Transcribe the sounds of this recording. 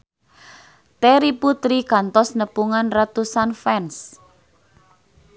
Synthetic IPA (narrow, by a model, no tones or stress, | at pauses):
t̪eɾiput̪ɾikant̪ɔsnəpuŋanrat̪usanfɛns